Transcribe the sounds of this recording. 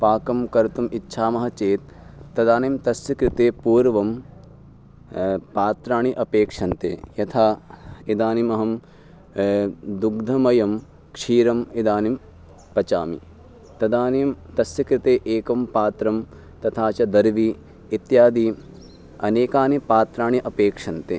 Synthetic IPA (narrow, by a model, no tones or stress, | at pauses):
paːkɐmkɐɾt̪umʔitːʃʰaːmɐɦɐt͡ʃeːt̪̚ː | ɐd̪aːnimt̪ɐsjɐkɾɪt̪eːpuːɾʋɐm | paːt̪ɾaːɳiʔɐpeːkʂɐnt̪ḛːjɐt̪ʰaːid̪aːnimɐɦɐm | d̪uɡ̚d̪ʱɐmɐjɐm | kʂiːɾɐmid̪aːnim | pɐt͡ʃa̰ːmḭ | t̪ɐd̪aːnimt̪ɐsjɐkɾit̪eːʔeːkɐmpaːt̪ɾɐm | t̪ɐt̪ʰaːt͡ʃɐd̪ɐɾʋiː | t̪jaːd̪i | ɐ̰neːkaːnipaːt̪ɾaːɳiʔɐpeːkʂɐnt̪ḛː